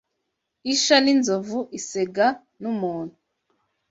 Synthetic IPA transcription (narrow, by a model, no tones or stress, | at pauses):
iʃaninzovuʔiseɡa | numuːn̥u